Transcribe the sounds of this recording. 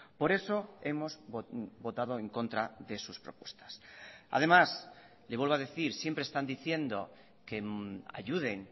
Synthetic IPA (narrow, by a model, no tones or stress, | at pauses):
po̞ɾe̞so̞e̞mo̞zbo̞t̪að̞o̞eŋko̞nt̪ɾaðe̞suspɾo̞pwe̞̥st̪ḁsa̰ð̞e̞mas | leβwelβaðe̞θiɾsje̞mpɾest̪and̪iθje̞nd̪o̞̰ | ke̞a̰ʝuð̞e̞ŋ